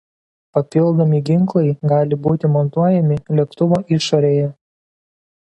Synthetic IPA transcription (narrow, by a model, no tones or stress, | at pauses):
pɐpʲɪlˠˑd̪omʲiɡʲɪŋˑklˠɐɪɡɑːlʲɪbuːt̪ʲɪmɔnt̪uɔjɛmʲɪlʲɛkt̪ʊʋoːʔɪʃoːɾʲeːjɛ